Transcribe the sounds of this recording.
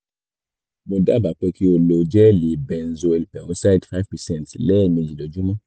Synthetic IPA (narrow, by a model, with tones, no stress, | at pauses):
mo˧da˦˨ba˨k͡pɛ˧ki˦o˧lo˧d͡ʒɛ˦˨li˨bɛ˧n̩˨zo˧e˧li˨pɛ˨wõ˦sa˦dfa˦vpɛ˨sɛ̃˦˨tlɛ˦˨mẽ˧d͡ʒi˨lɔ˨d͡ʒu˦mã˦